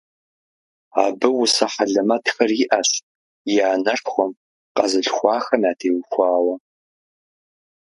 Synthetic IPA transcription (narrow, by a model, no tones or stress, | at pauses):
aːbɨwʊsɐħaɮɐmɐtxɐriʔɐɕ | jaːnɐrxʷɔm | qɐzɨɬxʷɑːxɐmaːtʰeːwxʷɑːwɐ